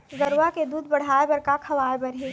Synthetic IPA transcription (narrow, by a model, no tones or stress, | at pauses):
ɡɐɾwaked̪uːd̪̚bɐɽ̤aːebɐɾkakʰɐʋaːebɐɾɦeː